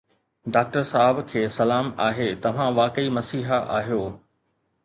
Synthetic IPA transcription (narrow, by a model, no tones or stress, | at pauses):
ɖaːk̚ʈəɾsaːɦɪbkʰeːsɐlaːmaːɦet̪ɐʋ̤ãʋaːkəimɐsiːɦəʔa̰ːɦijoː